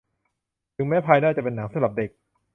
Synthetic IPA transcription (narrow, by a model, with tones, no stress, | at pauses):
t̪ʰɯ˩˦ŋmɛː˦˥pʰaː˧jnaː˥˩t͡ɕa˨˩pe˧nːa˩˦ŋsa˩˦ɾa˨˩p̚de˨˩k̚